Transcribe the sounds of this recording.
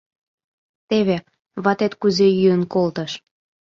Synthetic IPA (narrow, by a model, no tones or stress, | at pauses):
t̪eβe | βɑt̪et̪kuzejyənkolt̪əʃ